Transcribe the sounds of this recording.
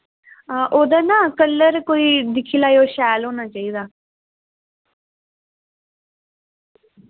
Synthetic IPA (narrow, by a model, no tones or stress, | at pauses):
ʔoːd̪aːnãːkəlːəɾkoːiːd̪ɪkʰːiːlaːjoːʃɛːlɦoːnaːt͡ʃaːiːd̪aː